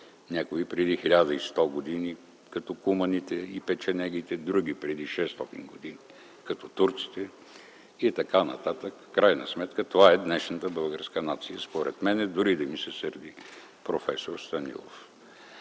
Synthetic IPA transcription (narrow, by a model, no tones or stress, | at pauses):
nʲakoipɾɛd̪ixilʲad̪əist̪ɔɡod̪ini | kɐt̪ɔkumɐnit̪ɛipɛt͡ʃɛnɛɡit̪ɛd̪ɾuɡ̟ipɾɛd̪iʃɛst̪ɔt̪ḭnɡod̪ini | kɐt̪ɔt̪uɾt̪si̥t̪ɛ | it̪ɐkanɐ̰t̪at̪əkfkːɾajnɐsmɛt̪kət̪ovaɛd̪nɛʃnət̪əbɤlˠɡəɾskənat̪sijəspoɾɛt̪mɛnɛd̪ʊɾid̪ɐmisɛsəɾd̪i | pɾofɛsoɾst̪ɐnḭlˠo̰f